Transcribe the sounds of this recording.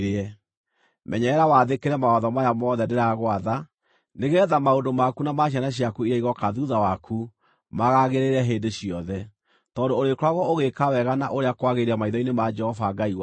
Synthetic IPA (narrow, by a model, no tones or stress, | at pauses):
ɾɛ | mɛɲɛɛɾawaðekeɾɛmaɔðɔmajamɔðɛdeɾaɣwaða | neɣeðamaondomakunamaɕjanaɕjakuiɾaiɣɔkaðuðawakʰu | maɣaɣeɾeɾɛɦeːndeɕiɔðɛ | tɔndoːɾekoɾaɣɔoɣekawɛɣana̰ʔoɾeakwaɣeɾeamaiðɔinemad͡ʒɛhɔfaɡaiwa